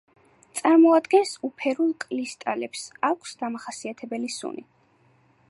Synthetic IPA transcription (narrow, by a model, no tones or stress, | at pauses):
t̪sʼaɾmɔad̪ɡɛnsupʰɛɾulˠkʼlist̪ʼalɛpsakʰsd̪amaχasiat̪ʰɛbɛlisṵnḭ